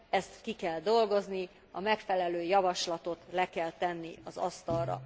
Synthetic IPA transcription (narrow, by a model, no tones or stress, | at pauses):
ɛst̪kikɛld̪o̞lɡo̞zni | ɒmɛkfɛlɛløːjɒvɒʃlɒt̪o̞t̪lɛkɛlt̪ɛnːiɒzɒst̪ɒlrɒ̰